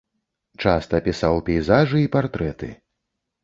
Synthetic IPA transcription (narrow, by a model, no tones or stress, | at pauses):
t͡ʂast̪ɐpʲisawpʲɛjzaʐɨipart̪ɾɛt̪ɨ̰